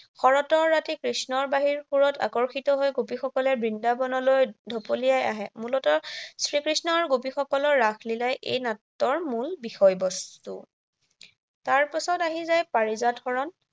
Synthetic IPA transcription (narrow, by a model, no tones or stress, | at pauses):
xɔɹɔtɔɹːatikɹisnɔɹbaɦiɹxuɹɔta̰kɔɹxitɔɦojɡopixɔkɔlɛbɹindabɔnɔlojdʱɔpolijaja̰ɦɛmulɔtɔsɹikɹisnɔɹɡopixɔkɔlɔɹːaxʰlilajʔḛjnatːɔɹmulbixɔjbɔstṵ | taɹpasɔtaɦizajpaɹizadʱxɔɹɔn